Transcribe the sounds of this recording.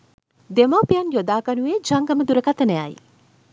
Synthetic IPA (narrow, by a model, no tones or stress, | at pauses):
d̪emapijɐnjod̪aːkanuʋed͡ʒaŋɡɐməd̪uɾəkat̪ənəja̰j